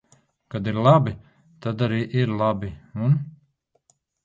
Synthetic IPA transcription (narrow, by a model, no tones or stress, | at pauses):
kad̪iɾlˠabi | t̪ad̪aɾiːʔiɾlˠabiun